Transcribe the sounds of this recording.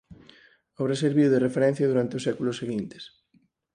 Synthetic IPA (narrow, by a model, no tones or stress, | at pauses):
aβɾaseɾβiðʊðerefeɾɛ̃n̟θjɐðuɾant̪eoʊsɛkulʊseɣint̪e̥s